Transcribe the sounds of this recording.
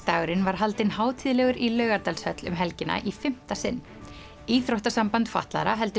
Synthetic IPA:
t̪aːɣʏɾɪnvaɾ̥ɦalt̪ɪnhaːwt̪ʰiːðlɛɣʏɾilœːɥɣaɾt̪alshœt̪lʏ̰mɦɛlcɪna̰ʔifɪm̥t̪asɪnː | iːθɾowht̪asampant̪fa̰ht̪la̰ðɾaɦɛlt̪ʏ

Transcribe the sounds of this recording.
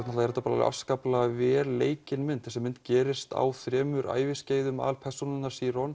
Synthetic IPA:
t̪nɔt̪aɛɾɛt̪ːapaɾlal̰a̰skaplaavɛːɾleːjcɪnmɪnt̪θɛsɛmːɪnt̪cɛːɾɪst̪a̰wθɾɛːmʏɾa̰ːjvɪsceːjðʏma̰lpʰɛr̥sunɪnːaɾ̥siːɾɔn

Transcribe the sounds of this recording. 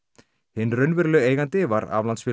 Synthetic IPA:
hɪnrœɥnvɪɾlœeːjɣant̪ɪvaɾa̰vlansfɪː

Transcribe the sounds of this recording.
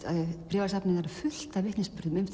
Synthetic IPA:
pɾɛːvaɾsapnɪŋaɾɪ̥fʏl̥t̪avɪhk̪nɪspʏɾðʏmʏmθ

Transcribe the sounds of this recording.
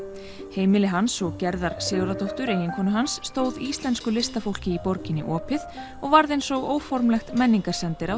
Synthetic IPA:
heːjmɪlɪɦansɔɣcɛɾðaɾsɪːɣɾat̪owht̪ʏɾejɪŋkʰɔːnʏɦansːt̪oːwðiːst̪lɛnskʏlɪst̪afowl̥cɪipɔɾcɪnːɪ̰ʔɔːpɪð | ɔɣvaɾðejnsɔɣoːwfɔɾmlɛxt̪mɛnːiŋkaɾ̥sɛnt̪ɪɾaw

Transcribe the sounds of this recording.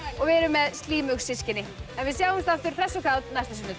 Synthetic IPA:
ɔɣvɛɾʏmːɛðst̪liːmʏxsɪscɪnɪɛnvɪðs̬jawhʏmst̪aft̪ʏɾ̥θɛsːɔkʰawt̪najst̪asinːʏ

